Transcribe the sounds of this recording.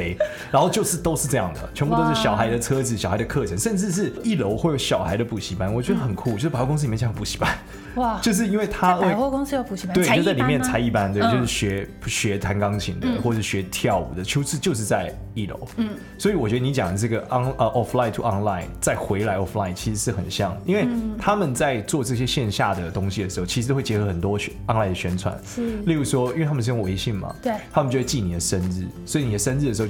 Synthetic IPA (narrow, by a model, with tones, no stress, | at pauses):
e˥ɪ | ɻa˧˥nxo˥˧t͡ɕjo˥˧ʊʂɻ̩˥˩t̪o˥ʊʂɻ̩˥˧ʈ͡ʂɤ˥˧jɑ˥˩ŋd̪ə̰˩t͡ɕʰɥɛ˧˥npu˧o˥˧ʊʂɻ̩˥˩ɕjɑ˨˩ʊxa˧˦ɪd̪ə˧t͡sʰɤ˥d͡zɹ̩˨˩ɕjxa˧˥ɪə˧kʰɤ˥˩ʈ͡ʂʰə˧˦ŋʂə˥˧nʈ͡ʂɻ̩˥˧ʂ̬ɻ̩˥˩i˥˩lo˧˥ʊxwe˥˩jo˧˥ʊɕjɑ˨˩ʊxa˧˥ɪd̪ə˧pu˨˩ɕi˧˥pa˥nwɔ˨˩t͡ɕɥɛ˧˥d̪ə˧˩xə˨˩nkʰu˥˩t͡ɕjo˥ʊ˥pkŋs̬̩˥˧˨jt͡ɕpu˨˩ɕi̥˧˥pa˦n˨˩ | t͡ɕo˥˧ʊʂ̬ɻ̩˥˩i˥nwe˥˩ɪt̪ʰa˥o˥˧kʊ˥ŋs̩˥jo˥˩pu˨˩ɕi˧˥we˥˩˨t͡sa˥˩li˨˩mjɛ˥˩nt͡sʰa˧˥ɪi˥˩pa˥nt̪we˥˧ɪ˧t͡ɕjo˧ʂɻ̩˥˩ɕɥɛ˧˥ | ɕɥɛ˧˥t̪ʰa˧˥nkɑ˥ŋt͡ɕʰḭ˧˩ŋd̪ə˧xwɔ˥˩ʂɻ̩˥˩ɕɥɛ˧˥t̪ʰjɑ˥˩ʊṵ˨˩d̪ə˦t͡ɕʰo˥ʊt͡sʰɹ̩˥˧t͡ɕjo˥˧ʊʂ̬ɻ̩˥˧t͡sa˥˧ɪ | i˥˩lo̰˧˦ʊ | swɔ˧˥i˨˩wɔ˨˩t͡ɕɥɛ˧˥d̪ə˧n˧˦˥t͡ɕjɑ˨˩ŋd̪ə˩ʈ͡ʂɤ˥˩ɡə˩ʔŋə˧˩ʔɔ˦˥fla˥ɪt̪ʰu˨ɑ˧˥ŋla˥˧˩ɪnt͡sa˥˩ɪxwe˧˥ɪla˧˥ɪɔ˥fla˥˩ɪnt͡ɕʰi˧˥ʂɻ̩˧˥ʂɻ̩˥˩xə̰˨˩nɕjɑ˥˩ŋi˧˥nwe˥˩ɪt̪ʰa˥mə˨nt͡sa˥˧ɪt͡swɔ˥˧ʈ͡ʂɤ˥˩ɕ̬jɛ˥ɕjɛ˥˧nɕja˥˩d̪ə˩t̪ʊ˥ŋɕi˨d̪ə˩ʂɻ̩˧˥xo˥˩i˧˥ɻ̩˧˥we˥˩t͡ɕjɛ˧˥xɤ˧˥xə˨˩nt̪wɔ˥ɑ˥ŋla˥˩ɪd̪ə˩ɕɥɛ˥nt͡sʰwa̰˨˦nli˥˩ɻu˧˥ʂwɔ˥i˥we˥˧tʰa˥ə˨ʂ̬̩˥˧jo˥ŋwe˧˥ɪɕi˥˩ŋmɐ̰˩t̪ʰa˥mə˨t͡ɕo˥˧we˥˩t͡ɕi˥˩ni˨˩d̪ə˩ʂə˦˥nɻ̩˥˩swɔ˧˥i˨˩ni˨˩d̪ə˦ʂə˥nɻ̩˥˩ə˩ʂ̩˧˥˧